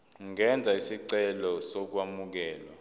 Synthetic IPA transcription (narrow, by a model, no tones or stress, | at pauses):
ŋɛnd͡zʱaisiǀɛlɔsɔk̬wamuk̬ɛːla